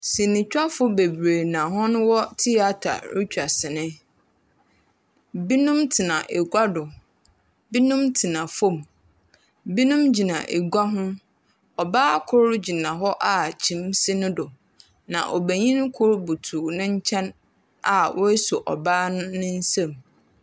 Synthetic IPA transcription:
sĩ˨nɪ̃˨t͡ɕᶣa˦fʊ˦be˨bɾe˨nã˨ɦɔ̃˦nʊ̃˦wɔ˦tʰi˦a˨tʰa̰˨ɾi˦t͡ɕᶣa˨sɪ˨nɪ̃˦ | bi˦nũ˦mtʰɪ˨nã˨ʔe˨ɡʷa˦dʊ˨ | bi˦nũ˦mtʰɪ˨nã˨fɔ̃˦˨m | bi˦nũ˦md͡ʑi˨nã˨ʔe˨ɡʷa˦ɦʊ̃˦ | ɔ˨baː˦kʰʊ˦ɾd͡ʑi˨nã˨ɦɔ˦ʔa˨t͡ɕʰĩ˨m˦sɪ˦nʊ̃˦dʊ˨ | nã̰˨ʔɔ˨bæ˨ɲĩ˦n˦kʰʊ˦ɾbʊ˨tʰu˨nʊ̃˦ɲ̩˦t͡ɕʰɛ̃˦n | a˨wʔɔ˦e˦sɔ˨ʔɔ̰˨baː˦nʊ̃˦nɪ̃˦n̩˦sã˦˨m

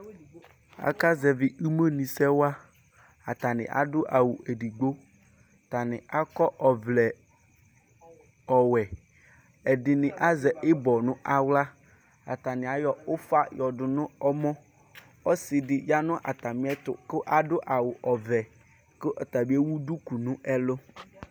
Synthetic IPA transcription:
a̰˨ka˦zɛ˨vɪ˨i˦me˦nĩ˨sɛ˦wa˦ | a˨t̪a˨nɪ̰̃˨ʔa̰˨dʊ˦ʔa˨wʊ˨ɛ˨di˨ɡ͡bo˦˨ | ta˨nɪ̃˨a˦kɔ˦ʔɔ˨vlɛ˨ | ɔ˨wɛ˨ | ɛ˨dɪ˨nɪ̃˨ʔa˦zɛ˨ʔɪ˦bɔ˨nʊ̃˦ʔa˨wla˦ | a̰˨t̪a˨nɪ̃˨a˨jɔ˨ʊ˦fa˦jɔ˨dʊ˨nʊ̃˦ɔ˦mɔ̃˦ | ɔ˦sɪ˨dɪ˨ja˦nʊ̃˦ʔa̰˨t̪a˨mɪ̃˨˦ɛ˦tʊ̰˨kɪ˦ʔa˦dʊ˦ʔa˨wʊ˨ʔɔ˨vɛ˨ | kɪ˦ʔɔ˨ta˨bi˦e˦wu˦du˦ku˨nʊ̃˦ʔɛ˦lʊ˦

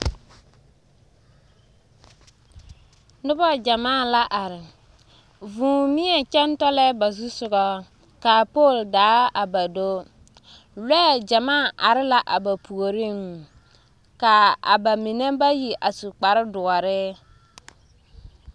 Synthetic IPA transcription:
nʊ˦bɔ˦d͡ʒa˨maː˦˨la˦ʔa˨ɾɪ˨ | vũː˨mi˦ɛ˨t͡ʃɛ˦ntɔ˦lɛ˦ba˨zu˦sʊ˨ɣɔ˦ | ka˨po˦˨ldaː˨˦a˨ba˨do˦ | lɛ˦˨d͡ʒa˨maː˦˨ʔa˨ɾɪ˦la˨ʔa˨ba˨pʰu˨o˨ɾi˦m | ka˨a̰˨ba˨mi˨ne˦ba˦ji˨ʔa˨su˨k͡pa˨ɾɪ˦dʊ˨ɔ˨ɾɪ˦

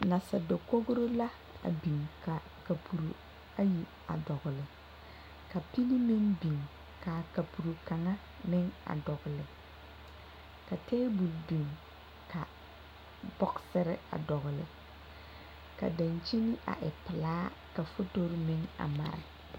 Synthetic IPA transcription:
na˨sa˨do˨ko˦ɣʊ˦ɾo˦la˦ | a̰˨bi˨ŋka˨ | ka˨pʰu˨ɾu˨ | a˦ji˨ | a̰˨dɔ˨ɣʊ˨lɪ˨ | ka˨pi˦li˦mɪ˦ŋbi˨ŋ | ka˨ka˨pu˨ɾu˨ka˨ŋa˦ | mɪ˦ŋa̰˨dɔ˨ɣʊ˨lɪ˨ | ka˨tɛː˦bu˨lbi˨ŋ | ka˨ | bɔ˦ksɪ˦ɾɪ˦a̰˨dɔ˨ɣʊ˨lɪ̰˨ | ka̰˨da˨nt͡ʃi˦ni˦ʔa̰˨ʔɛ˨pɪ˨laː˦ | ka˨fo˦to˦ɾmɪ˦ŋa̰˨ma̰˨ɾɪ̰˨

